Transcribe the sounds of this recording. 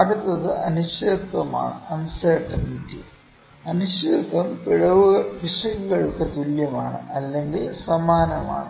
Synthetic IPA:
ɐɽut̪ːɐðɨʔɐnuɕɐt̪wɐma̰ːɳɨ̰ʔɐnsɐʈːɐnʈi | ɐnuɕet̪wɐmpiɻɐʋɐpiʂɐɣuɣɐɻukːet̪uljɐmaːɳɨ̰ɐlːe̞ŋɡilsɐmaːnɐma̰ːɳɨ

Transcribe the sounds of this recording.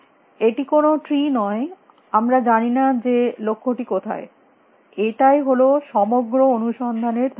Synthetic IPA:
eʈikonoʈɾinɔe | amɾad͡ʑaninad͡ʑelokʰːoʈikot̪ʰa̰e | eʈajɦoloʃɔmoɡɾoonuʃɔnd̪ʱaneɾd̪ʱ

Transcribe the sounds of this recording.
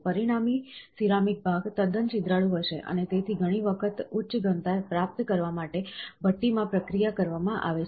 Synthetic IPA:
pəɾiɽ̃amisiɾamik̚bʱaɡt̪əd̪ənt͡ʃid̪ɾaɭũɦəʃḛʔə̰net̪et̪ʰiɡʱəɽ̃iʋəkʰət̪utːʃɡə̃nt̪aɾpɾap̚t̪kəɾʋamaʈebʱət̪ːimãpɾəkɾijakəɾʋamãʔa̰ʋe

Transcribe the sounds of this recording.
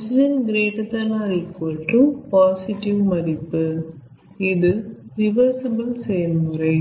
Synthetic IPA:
sɪd͡ʒɐnɡɪɾeːʈːɐt̪ːɐlaːɾikːoːʈrɯpaːsɪʈɪʋmɐɾɪpːɯ | ɪðɯɾɪʋɐɾsɐbɐlsɛjɐlmɯɾɐɪ

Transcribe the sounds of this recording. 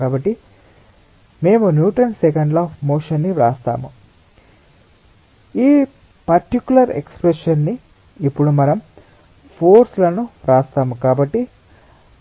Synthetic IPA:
aːbɐʈːi | me̞ːmunjuːʈɐnsekɐɳɖlaːpemoːʂɐnːiɾaːst̪a̰ːmu | iː | pɐɾʈikjulɐɾḛkspɾeʂɐnːiː | pːuɽumɐnɐm | pʰoːɾslɐnuɾaːst̪aːmukaːbɐʈːi

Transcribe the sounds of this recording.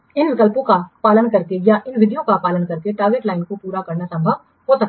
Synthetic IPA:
ɪnʋɪkəlpõkapaːlənkɐɾk̪ejaʔɪnʋɪɖijõkapaːlənkɐɾk̪eʈaːɡeːʈlaːɪnkopuːɾakɐɾnasɐ̃mbʱəʋ | ɦoːsɐk̚t̪

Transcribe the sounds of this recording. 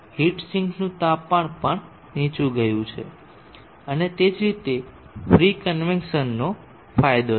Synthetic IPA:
hiʈsiŋɡnũt̪apaɳ̃pəɳ | nĩt͡ʃũɡəjũt͡ʃʰḛ | ənet̪ed͡ʒɾit̪e | fɾikənʋɛnʃənːo | fajd̪o

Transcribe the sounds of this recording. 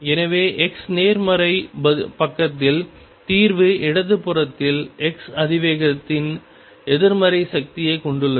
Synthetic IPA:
ɛnɐʋeːʔɛksneːɾmɐɾɐɪbɐpɐkːɐt̪ːɪl | t̪iːɾʋɯʔɪɽɐt̪ːɯpːɯrɐt̪ːɪlɛksɐðɪʋeːɣɐt̪ːɪn | ɛðɪɾmɐɾɐɪsɐk̚t̪ɪjɐɪkɔɳɖɯlːɐ

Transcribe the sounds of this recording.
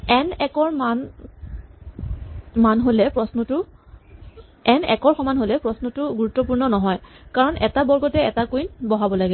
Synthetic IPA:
ɛnɛkɔɹman | manɦolɛpɹɔsnɔtʊ | ɛnɛ̰kɔɹxɔmanɦolɛpɹɔsnɔtʊɡuɹutːɔpuɹnɔnɔɦɔjkaɹɔnʔɛtabɔɹɡɔtɛɛtakujnbɔɦabɔlaɡɛ

